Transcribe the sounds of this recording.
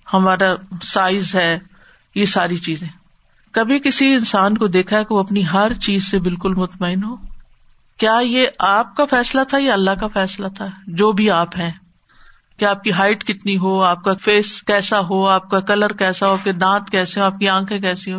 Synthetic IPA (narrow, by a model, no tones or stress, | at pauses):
hɐmaːɾasaːɪzɦɛː | jesaːɾit͡ʃiːzẽː | kɐbʱikɪsiɪnsaːnkod̪eːkʰaɦɛkeʋoɐpniɦɐɾt͡ʃiːzsebɪlkʊlmʊt̪maːɪnɦoː | kjaːjeʔaːp̚kafɛːslat̪ʰajaɐlːaɦkafɛːslat̪ʰad͡ʒoːbʱiaːpɦɛ̃ː | keaːp̚kiɦaːɪʈkɪt̪niɦoːaːp̚kafeːskɛːsaɦoːaːp̚kakɐləɾkɛːsaɦoaːp̚ked̪ãːt̪kɛːseɦoaːp̚kiãːkʰẽk̬ɛːseɦoː